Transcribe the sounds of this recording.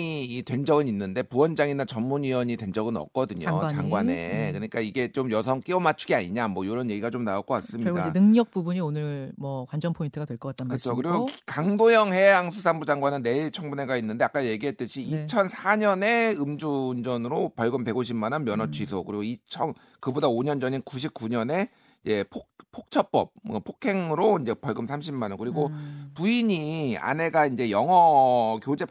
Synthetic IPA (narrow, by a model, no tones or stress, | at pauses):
iːtwend͡ʑʌɡɯninːɯnde̞puwʌnd͡ʑaŋinat͡ɕʌnmunɥiwʌɲidwe̞nd͡ʑʌɡɯnʌ̰k̚k͈ʌdɯɲo̰t͡ɕaŋɡwane̞̰kɯɲik͈aiɡe̞t͡ɕomjʌsʰʌŋk͈iomat͡ɕʰuɡiaɲiɲamwʌjoɾʌnje̞ɡiɡat͡ɕomnaok͈ok͈as͈ɯmɲidaɯŋɲʌk̚p͈ubuɲionɯɭmʌkwand͡ʑʌŋpʰointʰɯɡadwe̞ɭk͈ʌk͈at͈akɯt͡ɕʰokɯɾiɡɡokkaŋdojʌŋhe̞aŋsʰusʰaŋbud͡ʑaŋɡwanɯnːe̞ɭt͡ɕʰʌŋbune̞ɡainːɯnde̞ak͈aje̞ɡiɦe̞t͈ɯɕʰiːt͡ɕʰʌnsʰaɲʌne̞ɯmd͡ʑuːnd͡ʑʌnɯɾopʌɭɡɯmpe̞ɡoɕ̬ʰimanɯnmjʌnʌt͡ɕʰɥisʰokɯɾiɡoit͡ɕʰʌn | kɯbodaoɲʌnd͡ʑʌɲinkuɕ̬ʰip̚k͈uɲʌne̞ | id͡ʑe̞pʰopʰok̚t͡ɕʰʌp͈ʌp̚ʌpʰokʰe̞ŋɯɾoind͡ʑe̞pʌɭɡɯmsʰamɕʰimːanɯnkɯɾiɡopuiɲia̰ne̞ɡaind͡ʑe̞jʌŋɦʌkjod͡ʑe̞